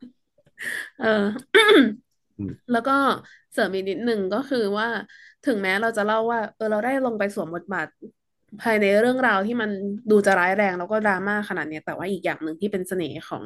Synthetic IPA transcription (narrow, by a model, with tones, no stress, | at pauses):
ʔɤː˧ | lɛː˦˥wkɔː˥˩ | sɤː˨˩˦mʔi˨˩k̚ni˦˥t̪̚nɯ˨˩ŋkɔː˥˩kʰɯː˧waː˥˩t̪ʰɯ˩˦ŋmɛː˦˥ɾa˧wt͡ɕa˨˩la˥˩wːaː˥˩ʔɤː˧ɾa˧wdaː˥˩jlo˧ŋpa˧jsu˩˦mbo˨˩t̪̚baː˨˩t̪̚ | pʰaː˧jna˧jɾɯ˥˩əŋɾaː˧wt̪ʰiː˥˩ma˧nduː˧t͡ɕa˨˩ɾaː˦˥jɾɛː˧ŋlɛː˦˥wkɔː˥˩ɾaː˧maː˥˩kʰːa˧naː˨˩t̪̚ni˦˥ɐt̪ɛː˨˩waː˥˩ʔiː˨˩k̚jaː˨˩ŋnɯ˨˩ŋt̪ʰiː˥˩pe˧nsa˧neː˩˦kʰɔ̰ː˩˦ŋ